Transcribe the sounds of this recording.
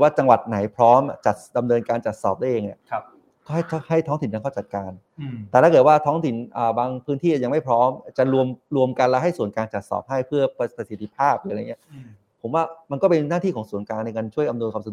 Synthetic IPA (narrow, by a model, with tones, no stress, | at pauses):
waː˥˩t͡ɕa˧ŋwa˨˩t̪̚na˩˦jpʰɾɔː˦˥mʔt͡ɕa˨˩t̪̚da˧mnɤː˧nkaː˧nt͡ɕa˨˩t̪̚sɔ̰ː˨˩p̚d̪a˥˩˨eː˧ni˧˥˩ | kɔː˥˩ɦa˥˩jʰha˥˩jt̪ʰɔː˦˥ŋt̪i˨˩˦nka˧kɔ˥˩t͡ɕa˨˩t̪̚kaː˧n | t̪ɛː˨˩aː˥˩ɤː˨˩t̪̚waː˥˩t̪ʰɔː˦˥ŋt̪ʰi˨˩˦nʔaː˨˩baː˧ŋpʰɯː˦˥nt̪ʰiː˥˩a˨˩ja˧ŋma˥˩jpʰɾɔː˦˥mt͡ɕa˨˩ɾu˧əmɾu˧əmka˧nlɛ˦˥ɦa˥˩jsu˨˩˦nkaː˧nt͡ɕa˨˩t̪̚sɔ̰ː˨˩p̚ɦa˥˩jpʰɯ˥˩ɐpa˧pa˧si˨˦t̪ʰːi˧˥pʰaː˥˩p̚lɯː˨˩˦a˧ŋːi˦˥ɐ | pʰo˩˦mwaː˥˩ma˧nkɔː˥˩pe˧nːaː˥˩t̪ʰiː˥˩kɔː˩˦ŋsu˨˩˦ənkaː˧ŋna˧jkaː˧nt͡ɕʰu˥˩əjʔa˧nu˧nkwaː˧sa˧˨